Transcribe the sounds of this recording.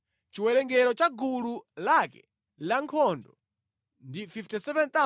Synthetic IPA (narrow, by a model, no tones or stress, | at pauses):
t͡ʃiwɛɾɛŋɡɛɾɔt͡ʃaɡululakɛ̰ | laŋkʰɔndɔ | ndififtisɛvɛnt̪a